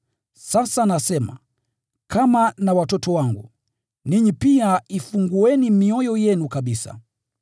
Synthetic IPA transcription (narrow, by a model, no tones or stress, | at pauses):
sasanasɛma̰ | kʰamanawatɔtɔwaŋɡṵ | niɲipiaifuŋɡuɛnimiɔjɔjɛnukaɓisa̰